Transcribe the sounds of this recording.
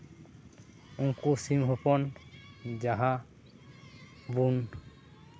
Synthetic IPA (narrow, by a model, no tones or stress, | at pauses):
uŋkusimɦupɔn | d͡ʒaɦa | bun